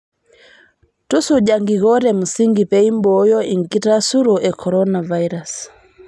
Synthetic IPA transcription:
tusuɟaŋɡiɣɔɾɛm̩siŋɡipɛimbɔjɔiŋkitasuɾɔʔɛkʰɔɾɔnavaiɾas

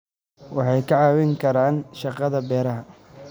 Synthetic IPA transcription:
wɑħɑjkʰɐʕɑːwɛŋkʰɐɾaːnʃɑqɑðɐbɛːɾɐɦɐ

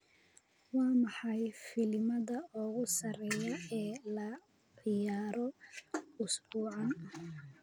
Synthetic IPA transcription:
wɑːmɑħɑjfɪlɪmɐðɐɔːɣʊsɐɾɛjɐɛːlɐ | ʕɪjaːɾɔ | ʊsbuːʕɑ

